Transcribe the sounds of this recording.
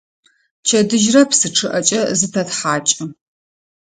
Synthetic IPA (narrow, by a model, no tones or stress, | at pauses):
t͡ʃʰɐdɨʒrɐpsɨʈ͡ʂʰɨʔɐt͡ʃʼɐzɨtʰɐtħaːt͡ʃʼɪ